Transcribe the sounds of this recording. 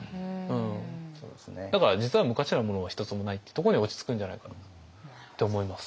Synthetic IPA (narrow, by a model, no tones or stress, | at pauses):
ɯ̟̃ɴso̰ːd̪esned̪akaɾad͡ʑit͡sɨβamɯ̟kaɕiɾamo̞no̞βaçi̥t̪o̞t͡sɨmo̞nait̪ːet̪o̞k̬o̞ɲ̟io̞t͡ɕi̥t͡sɨ̥kɯ̃ɲ̟d͡ʑanaikana | t̪ːe̞omo̞imasɨ̥